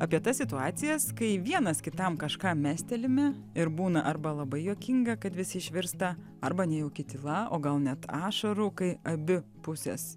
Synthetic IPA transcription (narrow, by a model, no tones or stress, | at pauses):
ɑːpʲiɛt̪ɐssʲɪt̪ʊɑːt̪sʲɪjɛskɐɪʋʲiɛnɐskʲɪt̪ɐmkɐʃkɑːmʲæːsʲt̪ʲɛlʲɪmʲɛ | ɪɾbuːnɐʔɐɾbɐlˠɐbɐɪjukʲɪŋɡɐkɐt̪ʋʲɪsʲɪɪʃʲʋʲɪɾst̪ɐ | ɐɾbɐnʲɛjɛʊkʲɪt̪ʲɪlˠɐʔo̰ːɡɐlˠnʲɛt̪ɑːʃɐɾʊkɐɪɐbʲɪpʊsʲɛ̰s